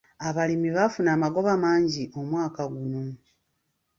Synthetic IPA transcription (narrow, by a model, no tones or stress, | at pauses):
aβalimiβafunaːmaɡo̞βamaːɲɟiʔo̞mwaːkaɡuno̞